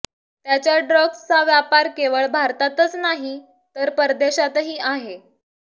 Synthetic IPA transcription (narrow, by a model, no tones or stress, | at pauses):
t̪jat͡ɕjaɖɾɔɡst͡saʋjapaɾkeʋəɭbʱaɾt̪at̪ət͡snaɦi | t̪əɾpəɾd̪eɕat̪ɦiːʔaɦe